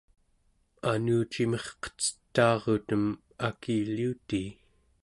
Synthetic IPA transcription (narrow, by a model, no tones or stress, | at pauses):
anuːt͡ʃimeχqə̥t͡sə̥t̪ːɑːʁot̪əm | akiːliut̪iː